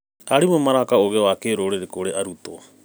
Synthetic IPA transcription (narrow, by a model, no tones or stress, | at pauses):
aɾimomaɾakaoɣeoakeɾoɾeɾekoɾeʔaɾut̪o̰